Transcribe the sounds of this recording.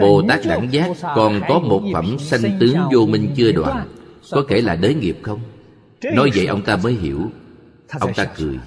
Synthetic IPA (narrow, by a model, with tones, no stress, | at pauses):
ɓo˨˩t̪aː˦˥k̚ɗa̰ː˧˩ŋzaː˦˥kɔ˨˩nkɔ˨˦mo˨˩t̚fə˧˩msa˧jŋ̟t̪ɨ˨˦əŋzo˧mï˧ŋ̟t͡ɕɨ˧əɗwa̰ː˨n | kɔ˨˦ke˧˩laː˨˩ɗəː˨˦ŋi˨˩əp̚xə˧wŋ͡m | nɔ˨˦jvə̰˧˨jʔə˧wŋ͡mt̪aː˧məː˨˦jɦḭ˧˩əw | ʔə˧wŋ͡mt̪aː˧kɨ˨˩əj